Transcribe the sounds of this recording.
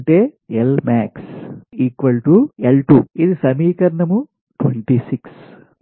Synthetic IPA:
ɳʈeːelmaːksiːkʋɐlʈuelʈuid̪isɐmiːkɐɾɐnɐmu | ʈʰwḛɳʈisiks

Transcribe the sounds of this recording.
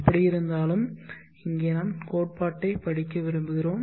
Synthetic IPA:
pːɐɽijɪɾɯnd̪aːlɯm | ɪŋɡeːnɐːmkoːʈ̚paːʈːɐɪpɐɽɪkːɐʋɪɾɯmbɯɣɪroːm

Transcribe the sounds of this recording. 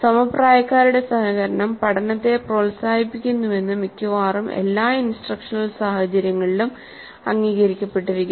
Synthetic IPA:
sɐmɐpraːjɐkːaːɾuɽe̞sɐhɐɣɐɾɐɳɐmpɐʈʰɐnɐt̪ːe̞proːlsaːhipːikʲːunːuʋe̞nːɨmikʲːuʋaːrɐme̞̰lːaːinsʈrɐkʂɐnɐlsaːhɐt͡ɕɐɾjɐŋːɐɭilum | ɐŋːiːɣɐɾikʲːɐpːe̞ʈːiɾukʲːu

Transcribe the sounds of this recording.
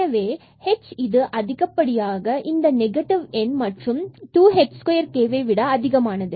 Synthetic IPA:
ɐʋeː | hɛt͡ʃːɪðɯʔɐðɪɣɐpːɐɽɪjaːɣɐʔɪnd̪ɐnɛɡɐʈɪʋɛnmɐʈrɯmʈuːɦɛʈskɔjɐɾkeːʋeɪʋɪɽaɐðɪɣɐmaːnɐðɯ

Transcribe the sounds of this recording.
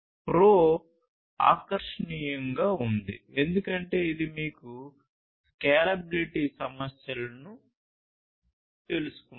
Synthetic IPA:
pɾoː | a̰ːkɐɾʂɐɳiːjɐŋɡaːund̪ḭe̞nd̪ukɐɳʈe̞ːid̪imiːku | kɛːlɐbiliʈiːsɐmɐsjɐlɐnu | t̪e̞lusu̥ku

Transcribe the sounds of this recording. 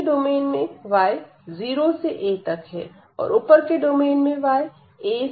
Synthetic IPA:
ɖoːmeːnmẽʋaːe | ziːɾoseʔeːt̪ɐkɦɛ̰ː | ɔ̰ːɾʊpəɾkeɖoːmeːnmẽʋaːe | eː

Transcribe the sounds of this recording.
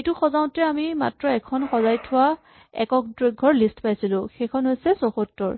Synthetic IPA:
ejtuxɔzaʊ̃tɛamima̰tɹɔɛkʰɔnxɔzajtʰʊwa | ɛ̰kɔk̚dɹeɡʱɔɹlistpajsilʊ̃xejkʰɔnɦojsɛsoxotːɔ̰ɹ

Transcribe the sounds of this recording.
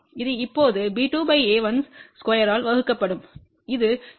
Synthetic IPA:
ɪðɯɪpːoːðɯbiːʈuːbɐɪeːʋɐnsskɐjɐɾaːlʋɐɣɯkːɐpːɐɽɯm | ɪðɯ

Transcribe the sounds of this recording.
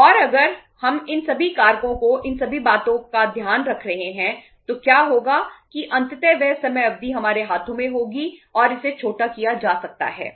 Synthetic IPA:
ɔːɾɐɡəɾ | hɐmɪnsɐbʱikaːɾkõkoʔɪnsɐbʱibaːt̪õkad̪ʱjaːnɾɐkʰɾɐɦẽɦɛ̃ | t̪okjaːɦoːɡakiʔɐ̃nt̪ɪt̪ɛʋɛsɐməjɐb̚d̪iɦɐmaːɾeɦaːt̪ʰõmẽɦoːɡiɔːɾɪset͡ʃʰoːʈakijad͡ʒaːsɐk̚t̪a̰ɦɛ̰ː

